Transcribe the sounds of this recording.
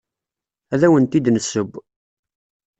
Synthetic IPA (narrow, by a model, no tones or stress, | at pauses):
æðæwənt̪id̪nəsːəb